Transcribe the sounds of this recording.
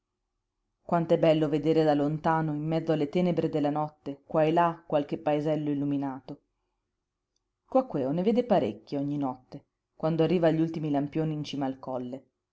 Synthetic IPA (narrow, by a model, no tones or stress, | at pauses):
kwant̪oɛbːɛlːoved̪eːɾed̪alont̪aːnoimːɛd̪zːoalːet̪ɛːnebɾed̪elːanɔt̪ːekwaelakːwalkepːaezɛlːoilːuminaːt̪o | kwakːwɛːoneveːd̪epaɾḛkːjoɔɲːinɔt̪ːe | kwand̪oarːiːvaʎːult̪imilampjoːniːnt͡ʃiːmaːlkɔlːe